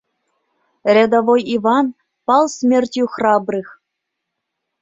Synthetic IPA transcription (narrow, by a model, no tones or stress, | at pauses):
rʲed̪ovojivɑn | pɑlˠsmʲerʲt̪ʲjuxrɑbrɨx